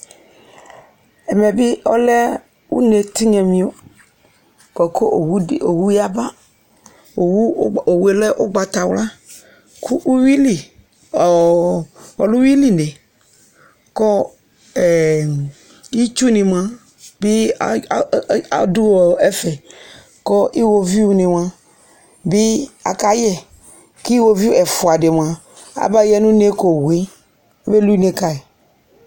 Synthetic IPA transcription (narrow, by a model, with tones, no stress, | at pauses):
ɛ˨mɛ˨bi˦ɔ˦lɛ˦ | wṵ˦ne˨t̪i˦ɲɛ̃˨mĩ˨o˦ | kɔ˨ko˦˨˦o˨wu˦ji˦a˦ba˦ | o˨wu˦o˨we˦lɛ˦ʔo˦ɡ͡ba˨t̪a˨wla˦ | kʰu˦u˦wi˦li˨ | ɔ˨lu˦wi˦li˦˨ne˨ | kɔ˦ | ɛ˨ | i˦t͡ʃu˦nĩ˨m˨ã˦ | bi˦˨˦ | a̰˨du˦wɔ˨ɛ˦fɛ˨ | kɔ˦ʔi˦wo˧vi˦u˦nɪ̃˨m˨ã˦ | bi˦a̰˨ka˦jɛ˦ | ki˦wo˧vi˦u˦ɛ˨fʊ˨a˨de˨m˨ã˨ | a̰˨ba˦jɛ˦nũ˦ne˦ko˨wi˨˦ | be˦lu˦i˦ne˦ka˦e˨